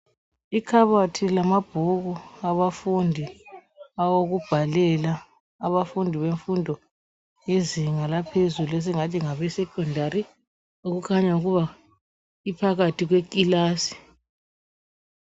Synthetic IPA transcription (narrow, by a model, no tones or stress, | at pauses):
ikʰaβatʰilamab̥ʱuɣuaβafundʱi | awoɣub̥ʱalɛla | aβafundʱiβeɱfundʱɔ | jeziŋalapʰezuluɛs̬ɛŋatʰiŋaβɛsɛkʰʼɔndʱaɾi | uɣukʰaɲauɣuβa | ipʰaɣatʰiɣwekʼilaːsi̥